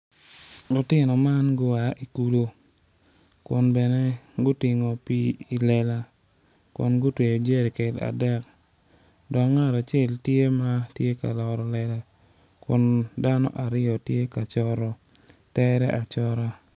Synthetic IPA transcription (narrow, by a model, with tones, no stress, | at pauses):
ɡʊ˨tɪ˦nɔ˨ma˦nɡʊ˦a˨ʔi˨ku˦lo˦ | kʊ˨nbɛ˨nɛ˦ɡʊ˦tɪ˨ŋo˨pi˦i˨lɛ˦la˦ | kʊ̰˨nɡʊ˦twe˨o˨d͡ʒe˦ɾi˨kɛ˨da̰˨dɛ˦k | dɔ˨kŋa˦˨ɾa˨t͡ʃɛ˦ltje˦ma˦tje˦ka̰˨lɔ˨ɾɔ˨lɛ˦la˦ | kʊ˨nda˦nɔ̰˦ʔa˨ɾɪ˦ɔ˨tje˦ka˨t͡ʃɔ˦ɾɔ˦ | tɛ˦ɾɛ˦ʔa˨t͡ʃɔ˦ɾa˦